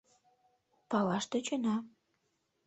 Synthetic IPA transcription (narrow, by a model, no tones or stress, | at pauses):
pɑlɑʃt̪ĕt͡ɕonɑ